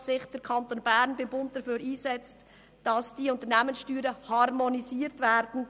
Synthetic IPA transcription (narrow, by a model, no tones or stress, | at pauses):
sɪχd̥əɾkʰɑntoːnbæɾnbɪmbʊntd̥ɑɾføːɾiːzɛt͡st | d̥ɑsd̥iːʊntəɾnɛːmənsʃtyːɾəhɑɾmoniziːɾtvɛːɾd̥n̩